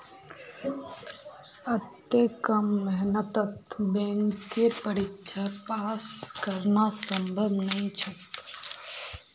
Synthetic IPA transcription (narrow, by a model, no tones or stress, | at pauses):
ɐt̪ːekəmːɛɦnət̪ət̪bɛ̃ŋkːepəɾɪkʃʰapaːskəɾnasə̃mbʱəbnɐɦĩt͡ʃʰɐt